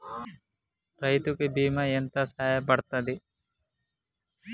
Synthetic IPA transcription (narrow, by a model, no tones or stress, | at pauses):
ɾɐjt̪ukebiːmɐent̪ɐsaːjɐpɐɽt̪ɐd̪i